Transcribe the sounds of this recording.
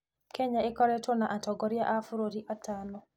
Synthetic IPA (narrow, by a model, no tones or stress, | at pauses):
kʰɛɲaekɔɾɛtɔnaʔatɔɡɔɾiaʔafuɾoɾiʔatʰanɔ